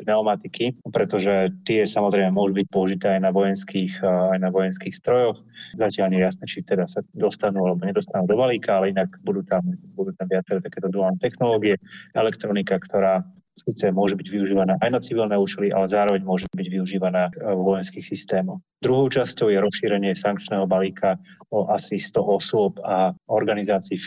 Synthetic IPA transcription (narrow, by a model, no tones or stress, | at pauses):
nɛɔmat̪ikipɾɛt̪ɔʒɛt̪ɪɛsamɔzɾɛjmɛmʊɔʒubic̚pɔuʒit̪ɛːajnaʋɔjɛnskiːxajnaʋɔjɛnskiːxst̪ɾɔjɔxzacɪalɲɛjɛjasnɛːt͡ʃit̪ɛd̪asad̪ɔst̪anuːalɛbɔɲɛd̪ɔst̪anuːd̪ɔbaliːkaalɛinaɡbud̪uːt̪ambud̪uːt̪amʋɪat͡sɛɾɛt̪akɛːt̪ɔd̪ɾualnɛt̪ɛxnɔlɔːɡiɛɛlɛkt̪ɾɔnikakt̪ɔɾaː | sit͡sɛmʊɔʒɛbiɟʋiuʒiːʋanaːʔajnat͡siʋilnɛuːt͡ʃɛliʔa̰lɛzaːɾɔʋɛɲmʊɔʒɛt̪biɟʋiuʒiːʋanaːʋɔjɛnskiːxsist̪ɛːmɔʊxd̪ɾuɦɔʊt͡ʃascɔʊjɛɾɔsʃiːɾɛɲɪɛsaŋkt͡ʃnɛːɦɔbaliːkʰaɔʔasist̪ɔʔɔsʊɔpaɔɾɡanizaːt͡siː